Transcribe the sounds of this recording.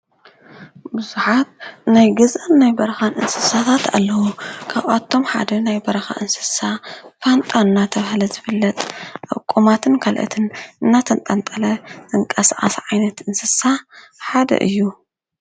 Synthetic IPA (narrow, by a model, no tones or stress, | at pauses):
bɨzuħat̪̚najɡɐzʔɐnːajbɐɾɐxanʔɨnsɨsat̪ʰat̪a̰lːɐwukʰaβʔat̪ʰːo̞mħa̰d̪ɐnajbɐɾɐxa̰ʔɨnsɨ̥safant̪ʼaɨnːat̪ʰɐβhlɐzɨfɨlːɐt̪ʼʔa̰kʼːumat̪ʰɨnkʰalʔɐ̰t̪ʰɨnʔɨnːat̪ʰɐnt̪ʼant̪ʼɐlɐz̥ɨŋkʼɐsʕa̰sʕajnɐt̪ɨnsɨsa | ħad̪ɐ̰ʔɨ̰jːu